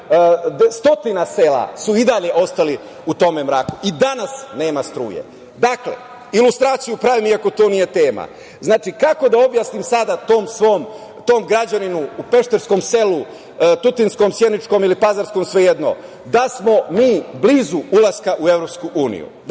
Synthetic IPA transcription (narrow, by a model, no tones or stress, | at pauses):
st̪o̞t̪inase̞ːla̰suid̪aʎe̞ʔo̞st̪ali | ut̪o̞me̞mɾaːkuʔid̪anasne̞ːmast̪ɾṵːjḛ | d̪aklḛ | ilust̪ɾaːt̪sijupɾaʋimiako̞t̪oːnije̞t̪e̞ːma̰ | znaːt͡ʃikako̞d̪ao̞bjasnimsad̪at̪oːmsʋom | t̪o̞ːmɡɾad͡ʑaninuːpe̞ʃt̪eɾsko̞mse̞lu | t̪ut̪insko̞msjed̪nit͡ʃko̞milipazaɾsko̞msʋe̞jed̪no̰ | d̪asmo̞miːbliːzuulˠaskaʔue̞vɾo̞pskuʔuːnḭjṵ